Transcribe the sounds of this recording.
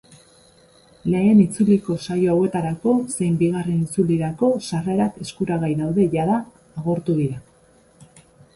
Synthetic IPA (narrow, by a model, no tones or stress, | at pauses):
le̞ːnit͡suliko̞sajoawe̞t̪aɾako̞se̞jmbiɣ̞are̞nit͡suliɾako̞sare̞ɾake̞skuɾaɣajðawðe̞ʝaðaː | ɣ̞o̞ɾt̪uðiɾa